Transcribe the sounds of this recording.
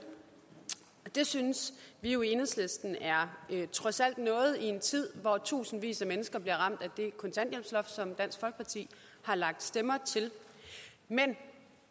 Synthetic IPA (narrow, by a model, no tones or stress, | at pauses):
d̥e̝synəsʋioe̝nhesle̝sd̥n̩æɐt͡sʰʁɒ̽sæl̰d̥nɔ̽ːð̞̩ˠie̝nt͡sʰið̞̰ˠʋɒt͡sʰṵːsn̩ʋḭːsæmenəsɡ̥ɐb̥liɐʁɑ̈m̰d̥æd̥e̝kʰɔ̽nt͡sʰæn̰d̥jel̰b̥slɒ̽fsɒ̽md̥æn̰sɡ̥fɒlɡ̥ə̥pʰɑ̈t͡sʰḭː | hɑ̈lɑ̈ɡ̥̚d̥sd̥emɐt͡sʰe̝l | men